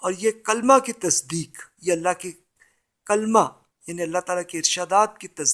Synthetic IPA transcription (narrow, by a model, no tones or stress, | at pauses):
ɔːɾjekɐlmakit̪ɐsd̪iːkjeɐlːaɦke | kɐlma | jaːniɐlːat̪aːlakeɪɾʃaːd̪aːt̪̚kit̪ɐs